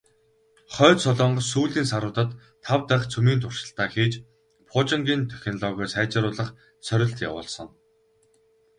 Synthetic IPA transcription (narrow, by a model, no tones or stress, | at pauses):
χœːt̪sɔɮɔːɴɢɞ̆ssuːɮiːnsaɾʊːt̪ə̆t̪ʰː | awt̪æχt͡sʰumiːnt̪ʰʊr̥ʃə̆ɬt̪aːxiːt͡ɕ | pʰʊːt͡ɕɪ̆ŋɡʲiːnt̪ʰœx̆ʲnɮɔɣʲœːsæːt͡ɕaːɾʊːɮə̆χ | sœɾʲɪ̆ɬt̪ja̰wʊ̰ːɮsɞ̆ŋ